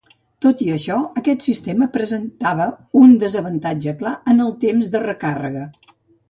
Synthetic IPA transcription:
t̪ot̪iəʃɔəkɛt̪sist̪eməpɾəzənt̪aβəund̪əzəβənt̪ad͡ʒəklaənəlˠt̪emzðərəkarə̰ɣə

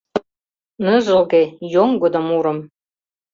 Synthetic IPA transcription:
nɤʒɤ̆lɡejoŋɡod̪ŏmuɾɤ̆m

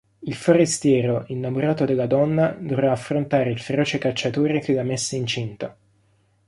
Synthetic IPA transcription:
ilfoɾest̪jɛːɾoʔinːamoɾaːt̪od̪elːad̪ɔnːad̪ovɾaːfɾont̪aːɾeilfeɾɔːt͡ʃekat͡ʃːat̪oːɾek̟elamesːeint͡ʃint̪a

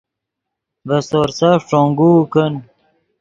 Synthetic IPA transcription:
vɐsoɾsaʂʈ͡ʂoːŋɡukən

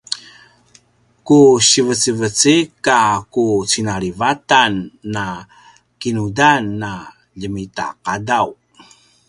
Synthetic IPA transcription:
kuɕivət͡sivət͡sikakut͡sinaɾivatanːa | kinudanːa | ʎəmita̰qadaw

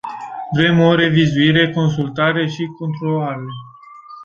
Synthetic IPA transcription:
vɾe̞mo̞ɾe̞vizuiɾe̞ko̞ns̬ult̪aɾe̞ʃiko̞nt̪ɾolaɾe

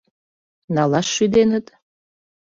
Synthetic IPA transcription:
nalaʃid̪enɨtʼ

